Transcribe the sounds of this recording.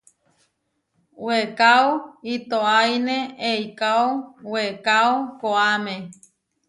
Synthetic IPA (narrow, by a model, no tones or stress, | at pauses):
wekaoit̪oajneeikaowekaokoamẽ